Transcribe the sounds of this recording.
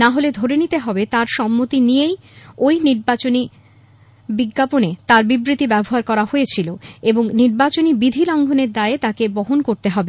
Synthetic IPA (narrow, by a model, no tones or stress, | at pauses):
naɦoled̪ʱoɾenit̪eɦɔbet̪aɾʃɔmːot̪inijej | ojniɾbat͡ɕoni | biɡːaponet̪aɾbibɾit̪ibɛboɦaɾkɔɾahoet͡ɕʰiloeboŋniɾbat͡ɕonibid̪ʱilɔŋɡʱoneɾd̪aet̪akebɔɦonkoɾt̪eɦɔbe